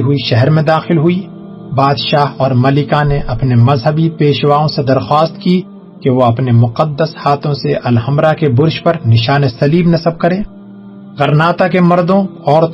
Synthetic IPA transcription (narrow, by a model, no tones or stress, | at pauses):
ɦʊiʃɛɦɛɾmẽd̪aːxɪlɦʊi | baːd̪ʃaːɦɔːɾmɐlɪkaneʔɐpnemɐzɦəbipeːʃwaːõsed̪ɐɾxwaːst̪ki | keʋoɐpnemʊqəd̪ːəshaːt̪ʰõseʔɐlhɐmɾakebʊɾʃpɐɾnɪʃaːnesɐliːbnɐsəb̚kɐɾẽː | ɣɐɾnaːt̪akemɐɾd̪õ | ɔːɾt̪